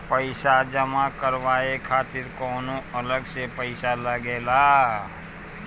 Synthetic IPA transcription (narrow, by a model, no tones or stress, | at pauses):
pəɪsad͡ʒəmakəɾʋaːekʰaːt̪ɪɾkɔːnõɐləɡsepəɪsaləɡeːlaː